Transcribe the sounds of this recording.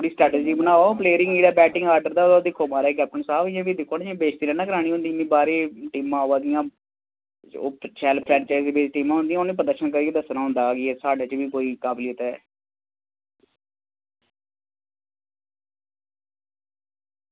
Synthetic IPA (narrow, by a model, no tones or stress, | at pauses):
oːɽiːsʈɾɛːʈeːd͡ʒiːbənaːʋapleːɾɪŋiːɾaːbɛːʈɪ̃ŋɡaːɾɖəɾd̪aːd̪ad̪ɪkʰːoːmaːɾaɛk̬ɛːp̚ʈənsaːbɪãːbiːd̪ɪkʰːoːnẽːbeːt͡ʃt̪iːlɛːnãːkəɾaːɽ̃ĩːõːnd̪iːnːĩːbaːɾeːʈiːmãːoːʋaːd̪ɪjãː | oːt͡ʃɛːlpʰɾɛ̃ːɳt͡ʃaːɪziːbeːt͡ʃʈiːmãːɦʊ̃nd̪ijaːonẽːpəd̪əʃənkəɾiːked̪əsnaːɦʊ̃nd̪aːɡɪɛːsaːɖaːt͡ʃʋiːkoːiːkaːbliʊt̪ɛː